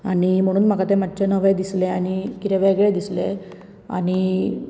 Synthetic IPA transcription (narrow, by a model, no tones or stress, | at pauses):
aɽ̃im̤əɽ̃uːnm̤akat̪ẽmat̪ːt͡ɕenəʋəjd̪isleaɽ̃ikit̪ɛʋejɡɭed̪isle | a̰ɽ̃i